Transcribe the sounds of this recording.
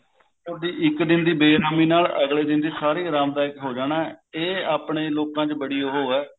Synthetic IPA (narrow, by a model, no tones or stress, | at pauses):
od̪iːʔɪkd̪ɪnd̪iːbeːɾaːmiːnaːləɡleːd̪ɪnd̪iːsaːɾiːɾaːmd̪aːɪkɦoːd͡ʒaːnaːɛeːaːpɳeːloːkãːt͡ʃbəɽiːoːɦoːɛː